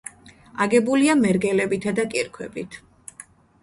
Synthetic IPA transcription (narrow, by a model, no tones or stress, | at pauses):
aɡɛbuliamɛɾɡɛlɛbit̪ʰad̪akʼiɾkʰwɛbit̪ʰ